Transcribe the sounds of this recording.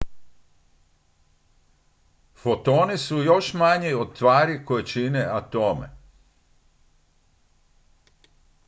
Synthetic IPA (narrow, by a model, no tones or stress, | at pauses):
fot̪o̞ːnisujo̞ʃmaɲeod̪̚t̪ʋaːɾikojet͡ʃineat̪o̞mḛ